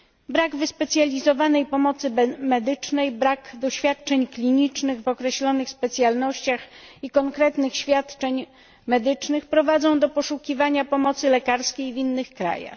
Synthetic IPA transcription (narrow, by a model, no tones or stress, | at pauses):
bɾaɡvɘspɛt̪sʲjalʲizɔvanɛjpɔmɔt̪sɘmɛd̪ɘt͡ʂnɛjbɾakd̪ɔɕfʲjat̪̚t͡ʂɛɲklʲiɲit͡ʂnɘɣvɔkɾɛɕlɔnɘxspɛt̪sʲjalnɔɕt͡ɕaxikɔŋkɾɛt̪nɘxɕfʲjat̪t͡ʂɛɲ | mɛd̪ɘt͡ʂnɘxpɾɔvad̪zɔ̃w̃d̪ɔpɔʂukʲivaɲapɔmɔt̪sɘlɛkaɾskʲejvinːɘxkɾa̰ja̰x